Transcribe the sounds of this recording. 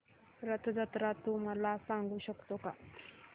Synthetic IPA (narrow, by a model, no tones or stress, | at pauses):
ɾət̪əd͡zat̪ɾat̪um̤alasaŋɡuːɕəkt̪oka